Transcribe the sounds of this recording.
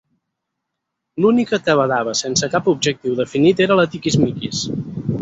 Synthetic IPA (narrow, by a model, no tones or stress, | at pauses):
lunikət̪əβəðaβəsensəkapub̚ʒək̚t̪iwðəfinit̪eɾələt̪ikizmikis